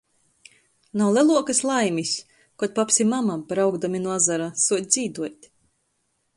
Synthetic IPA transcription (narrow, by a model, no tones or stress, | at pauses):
nawlʲˠɛlˠuɔkaslˠajmʲisʲ | kuɔt̪̚papsʲimamabɾawɡd̪amʲinuazaɾasuɔd̪̚ʲd̪z̥ʲiːd̪uɔt̪ʲ